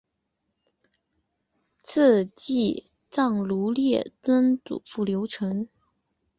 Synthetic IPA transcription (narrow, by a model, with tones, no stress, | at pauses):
t͡s̩ʰ˥˧t͡ɕi˥˩ | t͡sɑ˥˩ŋlu˧˥ljɛ˥˩t̪ə˥nt͡sṵ˨˩fu˥˩ljo˧˥ʊʈ͡ʂʰɤ˧˥ŋ